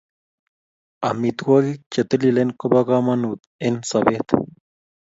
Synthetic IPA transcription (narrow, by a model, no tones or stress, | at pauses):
amit̪ɡaɣit͡ʃet̪elilenkobaɣamanut̪ensaβet̪